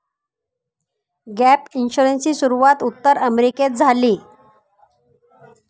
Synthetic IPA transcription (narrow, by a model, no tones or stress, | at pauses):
ɡæpinɕuɾensiːsuɾuʋat̪ut̪ːəɾəmɾiket̪̚d͡zʱaliː